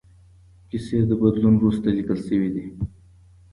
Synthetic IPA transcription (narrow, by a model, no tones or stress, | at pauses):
kised̪əbad̪lunɾust̪alikəlsəwid̪i